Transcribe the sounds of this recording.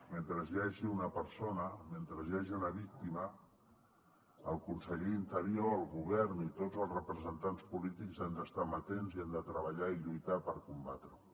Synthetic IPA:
ment̪ɾəzjaʒiunəpəɾsonəment̪ɾəzjaʒiunəβik̚t̪imə | əlˠkunsəʎeint̪əɾioəlˠɣuβɛɾnit̪odzəlˠzrəpɾəzənt̪anspulit̪ikzand̪əst̪amət̪enziand̪ət̪ɾəβəʎaiʎujt̪apəɾkumba̰t̪ɾə

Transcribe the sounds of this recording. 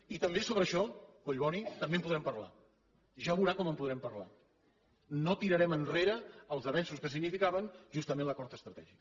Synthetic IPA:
it̪əmbesoβ̞ɾəʃɔkoʎβɔnit̪əmbempuðɾɛmpəɾla̰ | ʒaβuɾakɔməmpuðɾɛmpəɾla̰ | not̪iɾəɾɛmənreɾəːlˠzəβɛnsuskəs̬iɡnifikaβənʒust̪əmẽnləkɔɾt̪əst̪ɾət̪ɛ̰ʒik

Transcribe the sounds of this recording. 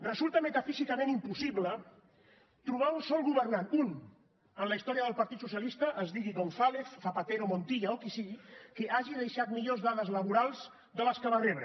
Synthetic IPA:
rəzulˠt̪əmət̪afizikəmẽnimpusiβlə | t̪ɾuβ̞aunsɔlˠɣuβərnanun | ənləist̪ɔɾiəðəlˠpəɾt̪it̪susjəlist̪əʔəzðiɣiɣonθalefːapat̪eɾomont̪iʎaokisiɣikəʔaʒiðəʃat̪miʎozðaðəzləβuɾalˠz | d̪ələskəβanrɛβɾə

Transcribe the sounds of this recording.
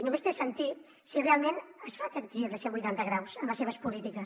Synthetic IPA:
numest̪esənt̪i | sirealˠmẽnəsfak̪ek̪iɾiɾðəseŋbujt̪ant̪əɣɾawsəməseβəspulit̪ikəs

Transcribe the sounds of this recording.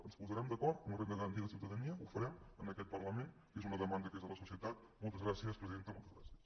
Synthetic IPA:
ənspuzəɾɛmd̪əkɔrt̪unrend̪əɣəɾənt̪iðəsiwt̪əðəniəufəɾɛmənəkɛt̪̚pərləmen | kezunəðəmand̪əkezðələsusiət̪at̪̚ | mɔlˠt̪əzɣɾasiəspɾəziðent̪əmɔlˠt̪əzɣɾa̰siəs

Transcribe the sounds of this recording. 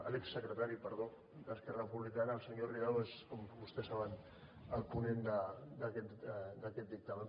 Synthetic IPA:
a̰leksːəkɾət̪aɾipəɾðo | d̪əskɛrapuβlikanaːlˠsəɲoriɣaweskombust̪ɛsaβən | əlˠpunend̪əd̪akɛt̪d̪akɛt̪̚d̪ik̚t̪ame

